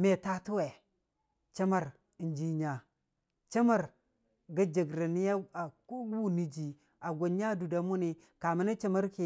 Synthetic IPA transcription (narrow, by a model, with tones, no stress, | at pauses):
me˨ta˦tu˦we˨ | t͡ʃa˦ma˨ɾ | nd͡ʒi˦ɲa˨ | t͡ʃa˦ma˦˨ɾ | ɡa˦d͡ʒa˨ɡɾa˨ni˦ja˦a˨ku˦ɡu˦ni˦d͡ʒi˨ | a˨ɡʷo˨nɲa˦du˨da˨mu˦ni˨ | ka˨ma˦na˦t͡ʃa˦ma˦ɾki˨